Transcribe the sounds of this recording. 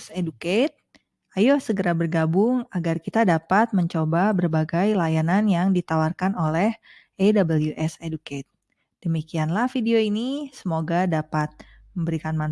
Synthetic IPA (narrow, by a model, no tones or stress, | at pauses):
seduket̪̚ | ajosəɡəɾabərɡabʊŋaɡarkit̪adapat̪̚məɲt͡ʃobabərbaɡajlajananjaŋdit̪awarkanolɛh | edabəljuʔɛseduket̪̚ | d̥əmikianlahfideoinisəmoɡadapat̪̚ | məmbəɾikanman